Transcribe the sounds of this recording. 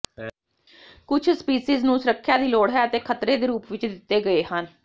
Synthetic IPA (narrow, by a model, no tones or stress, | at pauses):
kʊt͡ʃʰspiːsiːznũːsʊɾəkʰːjaːd̪iːloːɽɦɛːət̪eːkʰət̪ɾeːd̪eːɾuːpʋɪt͡ʃd̪ɪt̪ːeːɡəeːhən